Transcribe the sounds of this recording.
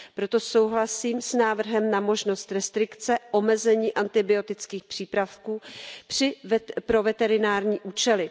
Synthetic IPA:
pɾo̞t̪o̞sowɦlasiːmsnaːvr̩ɦɛmnamo̞ʒno̞st̪ɾɛst̪ɾɪkt͡sɛʔo̞mɛzɛɲiːʔant̪ɪbɪo̞t̪ɪt͡skiːxpr̝̥iːpɾafkuːrɪpɾo̞vɛt̪ɛɾɪnaːɾɲiːʔuːt͡ʃɛlɪ

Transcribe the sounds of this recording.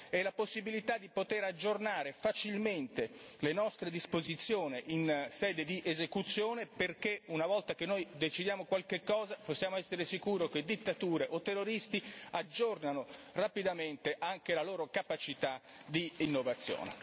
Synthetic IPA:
ɛlaposːibilit̪ad̪ːipot̪eɾad͡ʒːornaːɾefat͡ʃilment̪elenɔst̪ɾed̪ispozit̪sːjoːneʔinsɛːd̪ed̪iʔezekut̪sːjoːneperkeunavɔlt̪ak̟enːojd̪et͡ʃid̪jaːmokwalkekːɔːzaposːjaːmoɛsːeɾesikuːɾok̟ed̪it̪ːat̪uːɾeʔot̪ːerːoɾist̪iad͡ʒːornanorapid̪ament̪eʔaŋk̟elaloːɾokapat͡ʃit̪a | d̪iːnːovat̪sːjo̰ːnḛ

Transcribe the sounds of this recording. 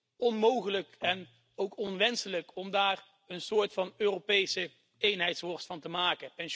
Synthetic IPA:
ɔnmowχələkɛn | owkɔnʋɛnsələkɔmdaːr | ənsʊːɹtfɑnøːrowpejsə | ejnɦɛjtsʋɔɹsfɑntəmaːkəpɛnʃ

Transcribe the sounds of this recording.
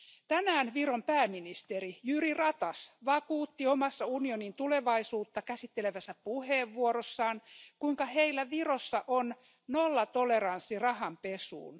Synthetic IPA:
t̪ænæːnʋirompæːminist̪eɾijyrirɑt̪ɑsʋɑkuːt̪ːiomɑsːɑunionint̪uleʋɑisuːt̪ːɑkæsit̪ːeleʋæsːæpuheːʋːuoɾosːɑːnkuiŋkɑheilːæʋirosːɑʔon | nolːɑt̪oleɾɑnsːirɑhɑmpesṵːn

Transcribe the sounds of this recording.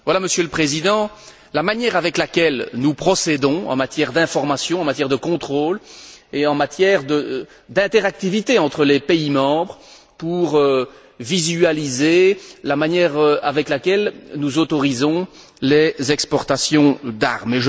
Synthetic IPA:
vwalaməsjøləpχezid̪ɑ̃ | lamanjɛʁavɛklakʲɛlnupχɔsed̪ɔ̃ɑ̰̃mat̪jɛʁd̪ɛ̃fɔʁmasjɔ̃ɑ̃mat̪jɛʁd̪əkɔ̃t̪χoːleɑ̃mat̪jɛʁd̪ə | d̪ɛ̃t̪eʁak̚t̪ivit̪eɑ̃t̪χəlepeimɑ̃bʁ | puʁø | vizyalizelamanjɛːʁəavɛklakʲɛlnuzot̪ɔʁizɔ̃ | lezɛkspɔʁt̪asjɔ̃d̪a̰ʁmeʒ

